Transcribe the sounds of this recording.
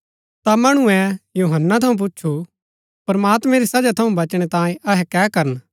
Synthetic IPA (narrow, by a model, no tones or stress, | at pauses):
t̪amɐɽ̃ũɛ̃juːɦənːat̪ʰɐũp̬ʊtːʃʰu | pɾɐmaːt̪mɛ̃ɾisɐd͡ʒat̪ʰɐũbɐt͡ʃɽ̃et̪ãːẽɐɦɛkɛːkɐɾən